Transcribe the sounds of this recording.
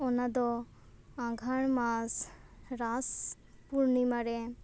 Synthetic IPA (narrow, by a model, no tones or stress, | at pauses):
ɔnad̪ɔ | ãɡʱaɳ̃masɾas | puɾnimaɾɛ